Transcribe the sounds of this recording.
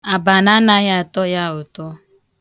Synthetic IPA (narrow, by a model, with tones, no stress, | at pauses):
a˨ba˨na˦na˦ja˦˨tɔ˦ja˦o˨tɔ˦